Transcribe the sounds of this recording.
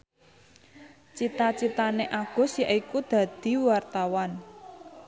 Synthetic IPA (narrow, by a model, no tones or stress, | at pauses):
t͡ʃit̪at͡ʃit̪aneʔaɡ̥ɔ̤sjaʔikud̪̥ä̤d̪̥i̤wart̪awan